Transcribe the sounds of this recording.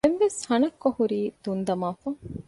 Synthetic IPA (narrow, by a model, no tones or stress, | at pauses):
eʋʋeshɐnɐkːɐhuɾiːd̪̥und̪ɐmaːfɐ